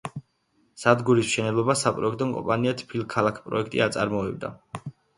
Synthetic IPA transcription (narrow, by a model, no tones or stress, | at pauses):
sad̪ɡuɾismʃɛnɛblˠɔbasapʼɾɔɛkʰt̪ʼɔŋkʼɔ̰̃mpʼaniat̪ʰpʰilˠkʰːalˠakʰpʼɾɔ̰ɛkʰt̪ʼḭat̪sʼa̰ɾmɔɛbd̪a̰